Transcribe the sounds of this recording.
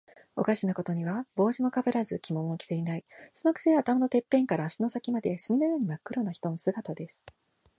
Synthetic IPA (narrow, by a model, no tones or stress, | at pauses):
o̞̰kaʑinako̞t̪o̞ɲ̟iβabo̞ːʑimo̞kabeɾazɨkʲimo̞mokʲi̥t̪e̞inaisɨmakɯ̟̥seːaːt̪amano̞t̪e̞pːẽ̞ŋkaɾaːɕino̞sakʲimad̪e̞ɕɨmʲino̞jo̞ːɲ̟imakːɯ̟ɾo̞naçi̥t̪o̞no̞sɨɡat̪ad̪e̞sɨ̥